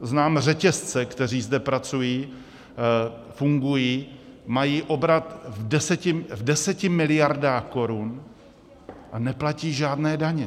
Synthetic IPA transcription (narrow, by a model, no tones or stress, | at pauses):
znaːmr̝ɛcɛst͡sɛkt̪ɛr̝iːzdɛpɾat͡sujiː | fuŋɡujiː | majiːʔo̞bɾat̪vdɛsɛcɪvdɛsɛcɪmɪlɪjaɾdaːxko̞ɾun | ʔanɛplaciːʒaːdnɛːdaɲɛ